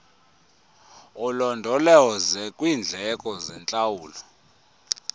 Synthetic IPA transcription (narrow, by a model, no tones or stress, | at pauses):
ulɔndʱɔlɛwɔzɛkʼwiːnd͡ɮʱɛkʼɔzɛnt͡ɬʼawuːlɔ